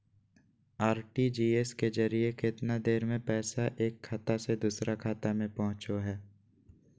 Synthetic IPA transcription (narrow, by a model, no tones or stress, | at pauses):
aːɾʈid͡ʒiːeskezəɾijekɪt̪nad̪eːɾmẽpɛːsaʔeːkʰːaːt̪ased̪uːsɾʔakʰaːt̪amẽpɔɦʊ̃t͡ʃoɦɛː